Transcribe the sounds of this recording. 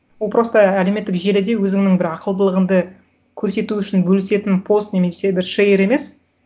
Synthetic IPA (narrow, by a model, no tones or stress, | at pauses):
wolˠpʰɾo̞st̪əæle̞me̞t̪ːɪkʒe̞lɪd̪e̞wɵzɪŋnɪŋbɪɾɑqəlˠd̪əlˠəʁənd̪ə | kʲʰɵɾse̞t̪uʏʃɪnbɵlɪse̞t̪ɪnpʰo̞st̪ne̞me̞se̞bɪɾʃejɾe̞me̞s